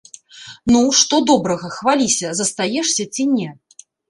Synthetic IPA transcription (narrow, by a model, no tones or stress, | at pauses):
nuʂt̪ɔd̪ɔbɾɐɣɐxvalʲisʲɐzɐst̪ajɛʂsʲɐt͡sʲinʲɛ